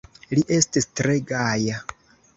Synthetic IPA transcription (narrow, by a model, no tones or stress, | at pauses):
liʔe̞stistɾe̞ɡaja